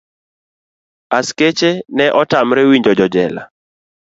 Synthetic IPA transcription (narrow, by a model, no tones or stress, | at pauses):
asket͡ʃenɛʔɔtamɾɛwiɲd͡ʒɔd͡ʒɔd͡ʒɛla̰